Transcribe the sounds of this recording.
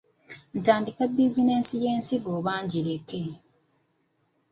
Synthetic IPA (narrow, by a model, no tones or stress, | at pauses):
n̩taːndikabːizine̞nsije̞ːnsiβoːβaːɲɟiɾekːe